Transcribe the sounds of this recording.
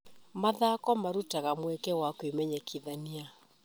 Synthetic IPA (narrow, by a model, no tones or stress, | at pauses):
maðakɔmaɾutaɣamwɛkɛwakwemɛɲɛkʰiðania